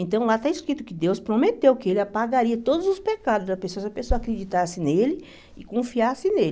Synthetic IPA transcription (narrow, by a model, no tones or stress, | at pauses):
ẽnt̪ɐ̃w̃lat̪aiskɾit̪ʊkɪd̪ewspɾomet̪ewkɪelɪapaɡaɾiɐt̪od̪ʊzʊspekad̪ʊzɐpesoɐsɪɐpesoɐakɾed͡ʒit̪asɪnelɪ | ɪkõfiasɪnelɪ